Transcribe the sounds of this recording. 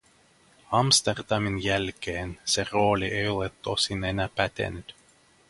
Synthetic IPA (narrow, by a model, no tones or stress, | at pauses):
ɑmst̪erd̪ɑminjælkeːnsero̞ːliʔejo̞let̪ːosinenæːpæt̪ḛnyt̪